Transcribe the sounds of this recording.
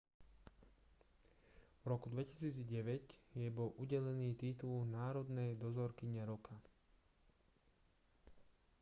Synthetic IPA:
vɾɔkud̪ʋɛci̥siːd͡zɟɛʋɛcjɛbɔlʔuɟɛlɛniːt̪it̪ulnaːɾɔd̪nɛjd̪ɔzɔɾkiɲɛɾɔkʰa

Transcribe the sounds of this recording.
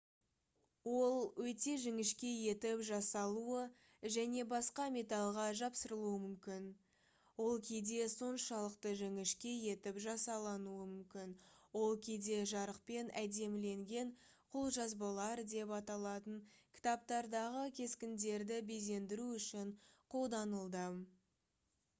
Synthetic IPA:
wo̞lˠwɵt̪e̞ʒɪŋɪʃkʲe̞je̞t̪ɪpʒɑsɑlˠuə | ʒæne̞bɑsqɑme̞t̪ɑlˠʁɑʒɑpsəɾəlˠuəmʏmkʲɪn | wo̞lˠkʲʰed̪e̞so̞nʃɑlˠəqt̪əʒɪŋɪʃkʲe̞je̞t̪ɪpʒɑsɑlˠɑnuəmʏmkʲɪnwo̞lˠkʲʰed̪e̞ʒɑɾəq̚pe̞næd̪e̞mle̞ŋɡʲe̞ɴ | qʰʊlˠʒɑzbɑlˠɑɾd̪e̞pɑt̪ɑlˠɑt̪əɴkʲʰɪ̥t̪ɑp̚t̪ɑɾd̪ɑʁəkʲʰe̞skʲɪnd̪e̞ɾd̪ɪbejze̞nd̪ɪɾuʏʃɪɴqʰo̞lˠd̪ɑnəlˠd̪ə

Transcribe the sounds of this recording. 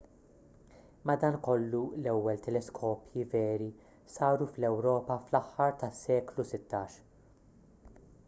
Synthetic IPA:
mɐd̪ɐːnkɔlːulɛwːɛlt̪ɛlɛskʰɔːpjivɛːɾi | sɐːɾuflɛwɾɔːpɐflɐħːɐɾt̪ɐsːɛːklusɪt̪ːɐːʃ

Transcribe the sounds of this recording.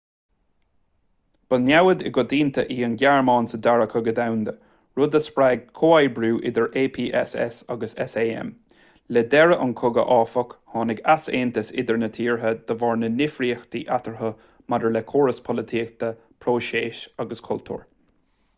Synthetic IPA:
b̥ənjawəd̪ɪ̰ɡɔd̪iːnt̪ʰəʔiːənɡjaɹmɑːnsəd̪aɹəkʰəɡəd̪awnd̪ə | ɹʊd̪əspɾɛːɡ̚kʰoːajbɾuːʔɪd̪əɹʔeːpʰiːʔɛ̰sɛ̰saɡəsɛ̰seːɛ̰m | lɛd̪ɛɹəʔʊnkʰʊɡə̰ʔɑːfɔkhɑːnɪɡaseːnt̪əsɪ̰d̪əɹnət̪ʰiːɹɦəd̪̥əvɑɹnənɪfɾiːxd̪iʔat̪əɹɦə | mad̪əɹlɛkʰoːɹəspʰɔlət̪ʰiːk̚t̪ə | pʰɾoːʃeːʃaɡəskʰʊlt̪ʰṵːɹ

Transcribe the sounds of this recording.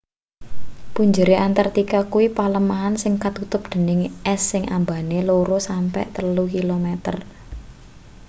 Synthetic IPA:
puɲd͡ʒəɾiʔant̪art̪ikakuwipaləmaɦansɪŋkat̪ut̪ʊp̚d̪̥ə̤nɪŋʔɛsːɪŋʔa̰mbaneloɾosampɛ̰ʔt̪əlukilomɛt̪ər

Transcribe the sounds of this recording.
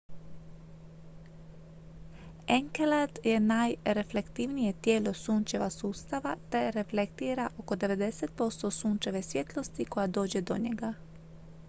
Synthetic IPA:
eŋkelad̪je̞najɾefle̞kt̪iʋnijet̪jeːlo̞suːnt͡ʃeʋasuːst̪aʋat̪eɾeflekt̪iːɾaʔo̞ko̞d̪e̞ʋe̞d̪eset̪̚po̞st̪osuːnt͡ʃeʋesʋjet̪lˠo̞st̪iko̞jad̪o̞ːd͡ʑed̪o̞̰ɲeɡa

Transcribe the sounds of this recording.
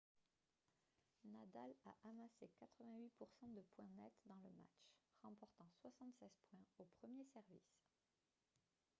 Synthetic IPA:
nad̪ala̰ʔamasekat̪χəvɛ̃ɥipuʁsɑ̃d̪əpwɛ̃nɛt̪d̪ɑ̃ləma̰t͡ʃʁɑ̃pɔʁt̪ɑ̃swasɑ̃t̪sɛzpwɛ̃opχəmjesɛʁvis

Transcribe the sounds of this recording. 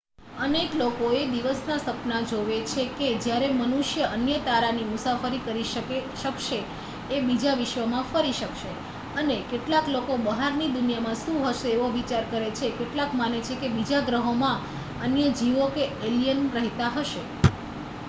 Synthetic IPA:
əneklokoed̪iʋəsnasəpnad͡ʒoʋet͡ʃʰeked͡ʒjaɾemənuʃjəʔənjət̪aɾanimusafəɾikəɾiʃəeʃəkʃeː | bid͡ʒaʋɪʃʋəmãfəɾiʃəkʃe | ənekeʈlaklokobəɦaɾnid̪unijamãʃũɦəʃeːʋoʋit͡ʃaɾkəɾet͡ʃʰekeʈlakmanet͡ʃʰekebid͡ʒaɡɾəɦomã | ənjəd͡ʒiʋokeelijənɾəɦt̪aɦəʃe

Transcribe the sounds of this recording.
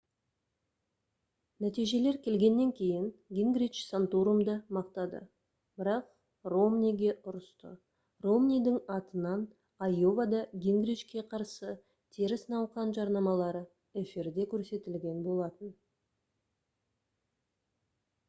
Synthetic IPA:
næt̪ijʒe̞le̞ɾkʲʰe̞lɡʲe̞nːe̞ŋkʲʰe̞jɪŋɡʲiŋɡɾijt͡ʃsant̪uɾumd̪əmɑqt̪ɑd̪ə̰ | b̥ɪɾɑq̚ | ro̞mnʲijɡʲe̞ʔʊɾəst̪ə̰ | ro̞mnʲijd̪ɪŋɑt̪ənɑn | ɑjo̞vɑd̪ɑɡʲiŋɡɾit͡ʃkʲe̞qʰɑɾsə | t̪ʰe̞ɾɪsənɑw̪ˠqɑnʒɑɾnɑmɑlˠɑɾə | efiɾd̪e̞kʲʰɵɾse̞t̪ɪlɡʲe̞nbo̞lˠɑt̪ən

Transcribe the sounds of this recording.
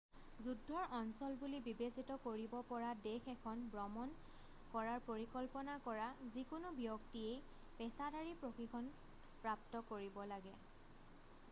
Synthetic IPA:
zudʱːɔɹʔɔnsɔlbulibibesitɔkoɹibɔpɔɹadexɛkʰɔnbɹɔmɔn | kɔɹaɹpoɹikɔlpɔnakɔɹazikʊnʊbijɔktiej | pɛsadaɹipɹoxikʰɔn | pɹap̚tɔkoɹibɔlaɡɛ

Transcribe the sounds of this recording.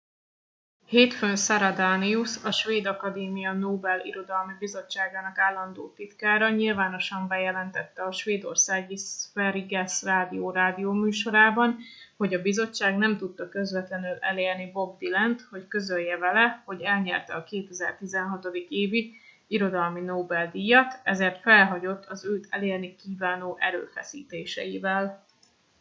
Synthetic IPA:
heːt̪fønsɒɾɒd̪aːniusɒʃʋeːd̪ɒkɒd̪eːmijɒnoːbɛlḭɾo̞d̪ɒlmibizo̞t͡ʃːaːɡaːnɒkaːlːɒnd̪o̰ːt̪it̪kaːɾɒɲilvaːno̞ʃɒmbɛjɛlɛnt̪ɛt̪ːɛɒʃʋeːd̪o̞̰rsaːɡisfɛɾiɡɛsraːd̪ijoːɾaːd̪ijoːmyːʃo̞ɾaːbɒnho̞ɟɒbizo̞t͡ʃːaːɡnɛmt̪ut̪ːɒkø̞zvɛt̪lɛnylɛ̰leːrnibo̞b̚d̪ilɛnt̪ho̞ckø̞zøjːɛvɛlɛho̞ɟɛlɲɛrt̪ɛɒkeːt̪ɛzɛrt̪izɛnɦɒt̪o̞d̪ikeːvi | iɾo̞d̪ɒlminoːbɛld̪ijɒt̪ɛzeːrt̪fɛlɦɒɟo̞t̪ːɒzøːt̪ʰɛleːrnikiːvaːnoːʔɛɾø̰ːfɛ̰sḭːt̪eːʃɛ̰jivɛl

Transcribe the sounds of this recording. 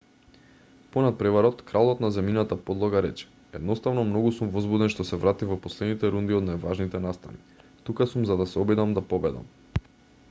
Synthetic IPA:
pɔnat̪̚pɾɛvaɾɔt̪kɾalˠɔt̪nazɛminat̪apod̪lˠɔɡaɾɛt͡ʃɛ̥ | ɛd̪nɔst̪avnɔmnɔɡusumvɔzbud̪ɛnʃt̪ɔsɛvɾat̪ivɔpɔslɛd̪nit̪ɛɾund̪iɔd̪najvaʒnit̪ɛnast̪a̰ni | t̪ukasumzad̪asɛɔbid̪amd̪apɔbɛd̪a̰m

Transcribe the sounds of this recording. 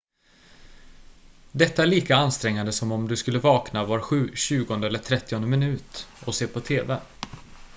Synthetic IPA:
d̪ɛt̪ːaæɭiːkaanst̪ɾɛŋːand̪əsɔmɔmd̪ɵskɵlːəvɑːknavaɾɧʉ̟ːɕʉ̟ːɡɔnd̪əɛlːəʈʰɾɛt̪ːɪɔnd̪əmɪnʉ̟ːt̪ɔseːpʰɔt̪ʰeːvɛ

